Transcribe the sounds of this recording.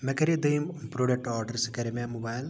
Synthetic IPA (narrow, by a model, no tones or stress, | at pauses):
mɐkɐɾid̪ɐjmpɾoːɖɐk̚ʈaːɾɖɐɾskɐɾememubaːjl